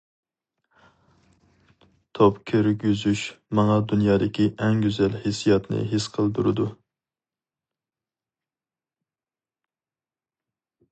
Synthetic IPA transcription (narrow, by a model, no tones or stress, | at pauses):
t̪ʰopkʲʰøɾɡʲyzyʃmɑŋɑd̪unjɑːd̪ɪkʲʰiʔɛŋɡʲøzɛlhesijɑt̪nɨ̰ɦɪsqʰəlˠd̪uɾɨd̪u